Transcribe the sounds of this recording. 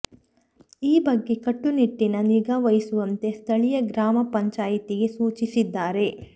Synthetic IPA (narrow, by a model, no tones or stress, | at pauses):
iːbɐɡːe̞kɐʈːuniʈːinɐniɡaʋɐjisuʋɐnt̪e̞st̪ʰɐɭijɐɡɾaːmɐpɐɲt͡ʃaːjit̪iɡe̞suːt͡ʃisid̪ːaːɾe̞